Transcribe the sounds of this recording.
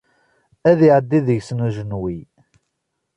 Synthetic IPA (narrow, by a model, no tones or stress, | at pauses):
æðiʕəd̪ːiðəʝsnuʒənwi